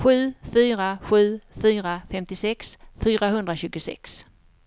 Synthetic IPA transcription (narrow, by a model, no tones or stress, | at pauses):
ɧʉ̟ːfyːɾaɧʉ̟ːfyːɾafɛmt̪ɪsɛksfyːɾaɦɵnd̪ɾaɕʉ̟ːɡʊsɛ̰ks